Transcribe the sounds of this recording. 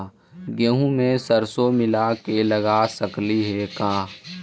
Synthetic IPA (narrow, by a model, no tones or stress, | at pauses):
ɡəɦũmẽsəɾsomɪlakeləɡasəkliɦekãː